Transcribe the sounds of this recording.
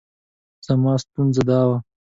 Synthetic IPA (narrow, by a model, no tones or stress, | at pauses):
z̥amɑːst̪unzad̪ɑːwa